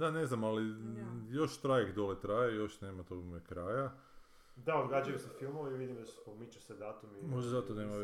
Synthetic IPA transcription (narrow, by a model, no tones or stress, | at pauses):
d̪ane̞znamalijo̞ʃt̪ɾajkd̪olet̪ɾaːjejo̞ʃneːmat̪omekɾaːja | d̪aod̪ɡaːd͡ʒajesefilˠmoʋaiʋid̪imd̪ae̥pomit͡ʃused̪aːt̪umimoʒd̪ezat̪oneːma